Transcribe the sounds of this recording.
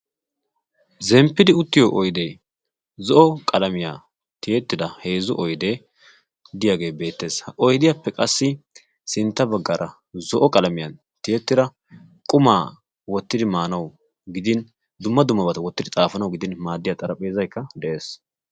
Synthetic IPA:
zɛmpːɪd̪ɪʊt̪ːɪjoʔɔjd̪eː | zɔʔɔkʼɐlɐmɪja̰ː | t̪ɪjɛt̪ːɪd̪ɐhe̞ːzʊʔɔjd̪e | d̪ɪjaːɡe̞ːbe̞ːt̪ːe̞ːshɐʔɔjd̪ɪjapːɛkʼɐsːɪ | sɪnt̪ːɐbɐɡːɐɾʔɐ | zɔʔɔkʼɐlɐmɪjɐn | t̪ɪjɛt̪ːɪd̪ɐ | kʼʊmaː | wɔt̪ːɪd̪ɪmaːnɐw | ɡɪd̪ɪn | d̪ʊmːɐd̪ʊmːɐbɐt̪ɐwɔt̪ːɪd̪ɪt͡sʼaːfɐnɐwɡɪd̪ɪnmaːd̪ːɪjat̪ʼɐɾɐpʼe̞ːzɐjkːɐd̪ɛʔe̞ːs

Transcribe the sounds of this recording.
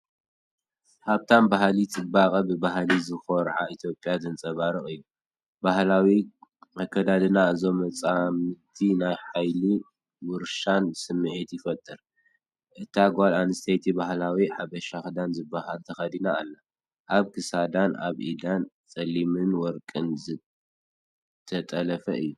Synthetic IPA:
ħaβt̪ʰanbahlit͡sʼɨbakʼɐbɨbaɦlizɨxoɾʕait̪ʰjo̞pʼjazɨnt͡sʼɐβaɾɨχʼɨjːu | bahlawiakʰːɐd̪ad̪ɨnaɨzo̞mɐt͡sʼamɨt̪ʰinajħajli | wɨɾʃansɨmːɨʕit̪jɪfɐt̪ʼːɨɾ | ʔɨt̪ʰaɡʷalanɨst̪ʰejt̪ʰibahlawiħaβɐʃaxd̪anzɨbːaɦalt̪ʰɐxɐd̪inaːlːa | ʔaβkʰɨsad̪ana̰βʔḭd̪ant͡sʼɐlimɨnwɔɾkʼɨnzɨ | t̪ʰɐt̪ʼɐlɐfɐʔɨjːu

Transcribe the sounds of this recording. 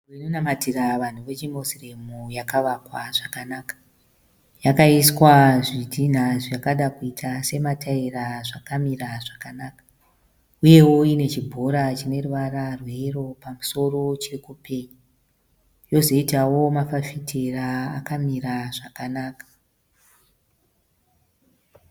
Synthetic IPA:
inonamatiraʋan̤uʋe̞t͡ʃimosiremujakaʋakwaʐ̥akanakḁ | jakaiswaʐidʱin̤aʐakaɗakuitʰase̞matʰaiɾaʐakamiɾaʐakanaːkḁ | uje̞wo̞ine̞t͡ʃibʱo̞ɾat͡ʃine̞ruʋararwe̞ro̞pamuso̞ro̞t͡ʃirikupe̞ɲu | jo̞zo̞itawo̞mafafitʰeraːkamiɾaʐakanaːkḁ

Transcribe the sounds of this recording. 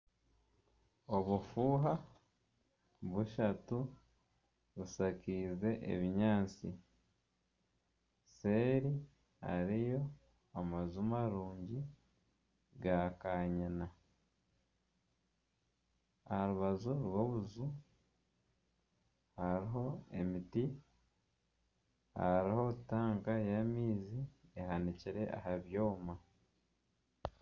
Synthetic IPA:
o̞βufuːɦa | βuʃatu | βusakiːze̞ʔḛβiɲaːt͡si | se̞ːɾi | ha̰ɾijo̞ | amazumaɾuːɲɟi | ɡakaːɲana | aaɾuβazuɾwo̞βuzu | haɾiɦo̞e̞miti | ha̰ɾiho̞taːŋɡajamiːziehaniciɾe̞ʔa̰haβjo̞ːma

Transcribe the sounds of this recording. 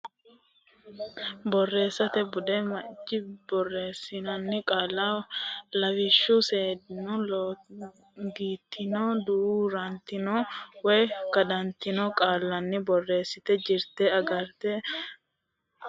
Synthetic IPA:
bɔrːe̞ːsːɐt̪ɛbʊd̪ɛmɐd͡ʒːɪbɔrːe̞ːsːɪnɐnːɪkʼaːlːaːlɐwɪʃːuseːd̪nʊl | ɡiːt̪ʰːɪnoːd̪uɾuːɾɐnt̪ɪnoːwɛjkɐd̪ɐnt̪ɪnokʼaːlːɐnːɪbɔrːe̞ːsːɪt̪ɛd͡ʒɪɾt̪ɛɐɡɐɾt̪ɛ

